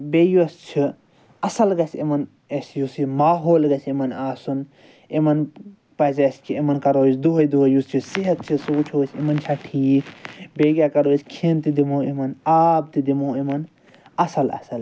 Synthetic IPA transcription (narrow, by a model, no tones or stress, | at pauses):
bejost͡ʃʰi | ɐsɐlɡɐsʰemɐn | ɐsjusimaːɦoːlɡɐt͡ʃʰemɐnaːsun | emɐn | pɐzaskʰiemɐnkɐɾoːt͡ʃʰd̪uɦɐjd̪uɦɐjust͡ʃʰisiɦɐt̪̚t͡ʃʰisuːt͡ʃʰoːt͡ʃʰemɐnt͡ʃʰaʈʰiːkbeːɡʲjakɐɾoːt͡ʃʰkʰent̪id̪imoːemɐnaːb̚t̪id̪imoːemɐn | ɐsɐlɐ̰sɐl